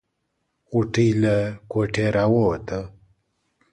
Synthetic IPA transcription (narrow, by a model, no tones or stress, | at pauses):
ɣuʈiləkoʈʰeɾawot̪ə